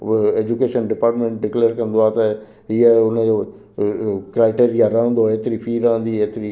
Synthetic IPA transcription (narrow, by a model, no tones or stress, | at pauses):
eːd͡ʒukeːʃənɖɪpaːɾʈmẽːɳʈ̚ɖɪkleːɾkəɾənd̪oaːt̪ɛ | iɛʊnẽo | kɾaːɪʈeːɾɪjaːɾãːnd̪oːeːt̪ɾiːpʰiːɾãːnd̪iːeːt̪ɾiː